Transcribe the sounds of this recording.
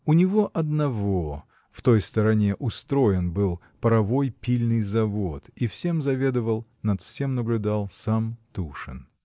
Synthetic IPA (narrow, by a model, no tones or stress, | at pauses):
ʊnʲɪvo̞ʔɐd̪nɐvo̞ | ft̪o̞jst̪əɾɐnʲe̞ʔʊst̪ɾo̞jɪnbɨlˠ | pəɾɐvo̞jpʲilʲnɨjzɐvo̞t̪ifsʲe̞mzɐvʲe̞d̪əvəlˠnɐt̪fsʲe̞mnəblʲʊd̪alˠsamt̪uʂɨ̰n